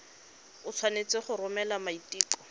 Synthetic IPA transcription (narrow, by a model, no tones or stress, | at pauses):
ʊt͡sʰwanet͡sɪχʊrʊmɛlamaitiːkɔ̥